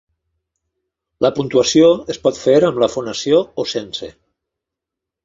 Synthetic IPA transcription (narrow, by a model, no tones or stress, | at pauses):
ləpunt̪uəsioespɔt̪feɾəmləfonəsioosensḛ